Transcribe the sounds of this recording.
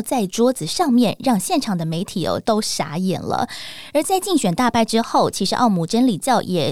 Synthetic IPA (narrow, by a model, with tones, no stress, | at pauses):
t͡sa˥˩ɪʈ͡ʂwɔ˥d͡zɹ̩˨˩ʂɑ˥˧ŋmjɛ˥˩nɻɑ˥˧ŋɕjɛ˥˩nʈ͡ʂʰɑ˨˩ŋd̪ə˦me˧˥ɪt̪ʰi˨˩ə̰˧t̪o˥ʊʂa̰˧˥ɛ̰˨˩nlə̰˧ə˞˧˥t͡sa˥˧ɪt͡ɕi˥˩ŋɕɥɛ˨˩nt̪a˥˧pʰa˥ɪʈ͡ʂɻ̩˥xo˥˩ʊt͡ɕʰi˧˥ʂɻ̩˧˥ʔɑ˥˧ʊmu˥˩ʈ͡ʂə˥nli˨˩t͡ɕjɑ˥˩ʊjʔɛ˨˩